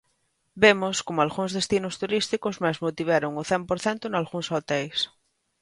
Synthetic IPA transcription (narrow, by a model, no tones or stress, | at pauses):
bemoskomoalɣuŋzðest̪inost̪uɾist̪ikozmazmot̪iβeɾoŋʊθɛmpoɾθɛnt̪onalɣuŋsot̪ejs